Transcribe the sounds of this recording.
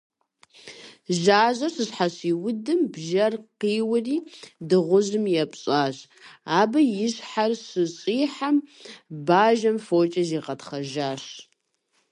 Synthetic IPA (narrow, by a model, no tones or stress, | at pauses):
ʒaːʑɐɕɨɕħaɕiːwʊdɨmbʒɐrqiːwʊriːdɨʁʷʊʑɨmjɛpʼɕʼaːɕ | aːbɐjɪɕħarɕɨɕʼiːħambaːʒɐmfoːt͡ʃʼɐziːqɐtχɐʒaːɕ